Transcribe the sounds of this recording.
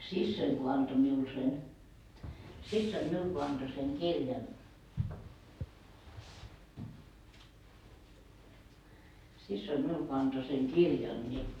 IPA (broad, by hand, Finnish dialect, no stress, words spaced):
sisːoiŋ ko ɑnto miul sen sisːoim miul ko ɑnto seŋ kirjɑn sisːoim miul ko ɑnto seŋ kirjɑn nʲi